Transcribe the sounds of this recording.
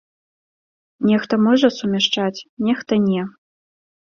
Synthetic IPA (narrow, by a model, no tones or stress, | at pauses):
nʲɛxt̪ɐmɔʐɐsumʲɛʂt͡ʂat͡sʲnʲɛxt̪ɐnʲɛ